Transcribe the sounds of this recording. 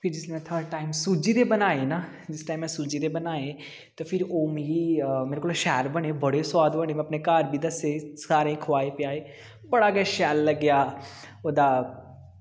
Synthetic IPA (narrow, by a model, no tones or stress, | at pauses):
pʰɪɾd͡ʒɪsnẽt̪ʰəːɾɖ̚ʈaːɪmsuːd͡ʒid̪ebɐnaːena | d͡ʒɪsʈaːɪmːɛ̃suːd͡ʒid̪ebɐnaːe | t̪ofʰɪɾoːmejimeːɾekoːlaʃɛːɾbɐnebɐɽeswaːd̪ʋəɽ̃emẽɐpnekaːɾbʱid̪ɐsesaːɾẽĩkʰʋaːepjaːe | bɐɽaɡɐʃɛːlːɐɡjaː | oːd̪a